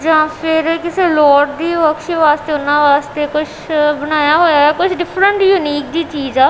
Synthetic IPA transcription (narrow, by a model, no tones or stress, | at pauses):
d͡ʒãːpʰɪɾkɪseːlɔːʈd̪iːʋəkʃeʋaːst̪eːʊnãːʋaːst̪eːkʊt͡ʃʰbəñaːjaːɦoːjaːɛːkʊt͡ʃʰɖɪpʰɾəɳʈjʊniːk̚d̪iːt͡ʃiːzaː